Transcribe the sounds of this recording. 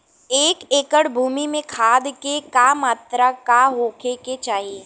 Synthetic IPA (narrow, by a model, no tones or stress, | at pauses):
eːkeːkəɽbʱuːmimẽkʰaːd̪kekamaːt̪ɾakaɦoːkʰeket͡ʃaːɦie